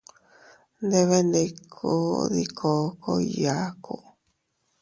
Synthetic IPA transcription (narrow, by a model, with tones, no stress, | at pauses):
nd̪e˦βe˦ne˧kʰo˦ðikʰo˨ko˧ja˨kʰo